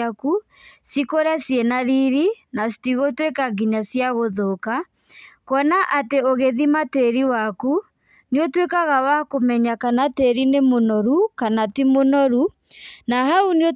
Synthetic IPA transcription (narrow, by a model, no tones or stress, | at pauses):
aku | sikoɾasjenaɾiɾinasi̥tiɣotwekaɡiɲasjaɣoðoka | kwɔnaʔateoɣeðimateɾiwaku | niotwekaɣawakomɛɲakanateɾinemonɔɾukanatimonɔɾu | naɦaunio